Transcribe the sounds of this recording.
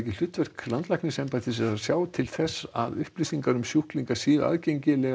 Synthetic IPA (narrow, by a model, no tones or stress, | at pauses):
ɛcɪl̥ʏht̪vɛr̥klant̪lajkniŋsɛmpajt̪ɪsɛasjaːwt̪ʰɪlθɛsːa̰ðʏhplisiŋkaɾʏmsjuhkliŋkasiːðʏ̰a̰ðcejɲcɪlɛɣ